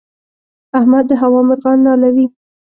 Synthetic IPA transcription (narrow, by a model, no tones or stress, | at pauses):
ahmad̪ːəɦawɑmɪɾɣɑnːɑlawi